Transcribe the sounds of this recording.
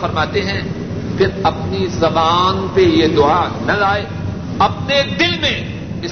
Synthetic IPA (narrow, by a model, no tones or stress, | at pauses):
fɐɾmaːt̪eɦɛ̃ | pʰɪɾɐpnizɐbaːnpejed̪ʊanɐlaːe | ɐp̚ned̪ɪlmẽ | ɪ